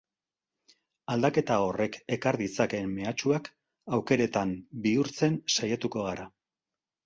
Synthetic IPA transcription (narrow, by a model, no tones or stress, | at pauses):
ald̪ake̞t̪ao̞re̞ke̞kaɾðit͡sake̞mːe̞at͡ʃuak | awke̞ɾe̞t̪ambiuɾt͡se̞nsajat̪uko̞ɣaɾa